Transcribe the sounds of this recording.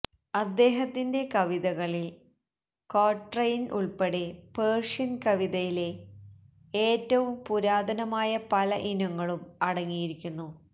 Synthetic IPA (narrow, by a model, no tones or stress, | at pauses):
ɐd̪ːe̞ːɦɐt̪ːinde̞kɐʋiðɐɣɐɭil | koːʈrɐjinʔuɭpeɽepeːrʂɐnkɐʋiðɐjile̞ | eːtːɐʋumpuɾaːd̪ɐnɐmaːjɐpɐlɐʔinɐŋːɐɭumɐɽɐŋːijiɾikʲːunːu